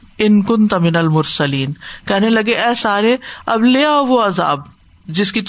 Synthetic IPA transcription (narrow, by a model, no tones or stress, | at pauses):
ɪnkʊnt̪mɪnɐlmʊɾsɐliːnkɛɦnelɐɡeʔɛːsaːɾeɐbleːɔːɾʋoɐza̰ːb̚ | d͡ʒɪskit̪